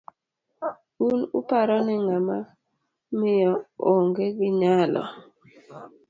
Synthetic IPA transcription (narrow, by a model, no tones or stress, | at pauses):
unʊ̰paɾɔnɪŋama | mɪjɔoŋɡeɡɪɲalɔ̰